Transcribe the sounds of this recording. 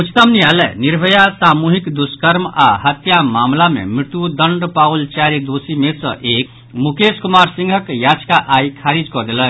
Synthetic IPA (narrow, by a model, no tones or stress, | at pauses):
ut͡ʃʰt̪əmnialɛ̰niɾbʱəjasamuɦikd̪uskəɾma̰hət̪jamamlamḛmɾit̪ud̪əɳɖpault͡ʃaɾid̪osimesə̰̃ʔeːk | mukeskumaɾsĩŋɡʱəkjad͡ʒkaʔaikʰaɾid͡ʒkɔd̪elən